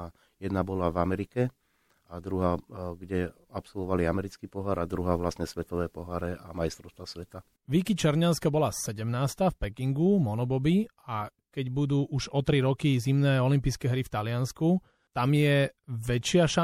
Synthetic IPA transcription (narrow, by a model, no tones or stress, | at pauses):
jɛd̪nabɔlavamɛɾikɛ | ad̪ɾuɦaːɡɟɛ | apsɔlʋɔʋaliamɛɾit͡skiːpɔɦaɾad̪ɾuɦaːʋlasɲɛsʋɛt̪ɔʋɛːpɔɦaːɾɛamajst̪ɾɔʊst̪ʋasʋɛt̪a | ʋikit͡ʃɛɾɲanskabɔlasɛɟɛmnaːst̪afpɛkiŋɡumɔnɔbɔbiakɛɟbud̪uːʔuʒɔt̪ɾiɾɔkizimnɛːɔlimpiːskɛɦɾift̪alɪansku | t̪amjɛʋɛt͡ʃɪaʃa